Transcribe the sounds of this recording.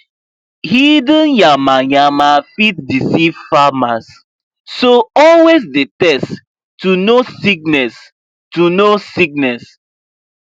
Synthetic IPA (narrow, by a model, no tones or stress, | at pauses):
hidə̃njamajamafit̚disivfamasː | oɔlwesdetɛst | tunosik̚nɛs | tunosik̚nɛs